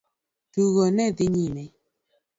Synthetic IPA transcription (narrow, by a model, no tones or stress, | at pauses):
tuɣɔnɛðɪɲinɛ